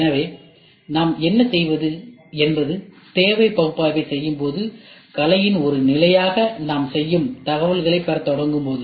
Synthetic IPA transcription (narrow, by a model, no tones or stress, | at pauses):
ɛnɐʋeː | naːmɛnːɐsɛjʋɐðɯɛnbɐðɯ | t̪eːʋɐɪpɐɣɯpːaːʋɐɪsɛjːɯmpoːðɯkɐlɐjɪnɔɾɯnɪlɐjaːɣɐnaːmsɛjːɯmt̪ɐɣɐʋɐɭɣɐɭɐɪpːɐɾɐt̪ːɔɽɐŋɡɯmpoːðɯ